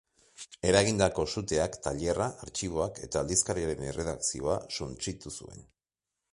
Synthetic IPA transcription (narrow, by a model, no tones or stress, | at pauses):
e̞ɾaɣind̪ako̞sut̪e̞akt̪aʎe̞raʔːɾt͡ʃiβ̞o̞ake̞t̪aːld̪iskaɾiaɾe̞nerʔe̞ðaksio̞asunt͡sit̪usṵe̞̰n